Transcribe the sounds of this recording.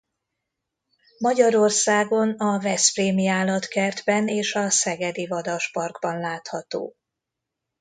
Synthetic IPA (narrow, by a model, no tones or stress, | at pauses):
mɒɟɒɾo̞rsaːɡo̞nɒvɛspreːmiaːlɒt̪kɛrd̪bɛneːʃɒsɛɡɛd̪ivɒd̪ɒʃpɒrɡbɒnlaːt̪hɒt̪o̰ː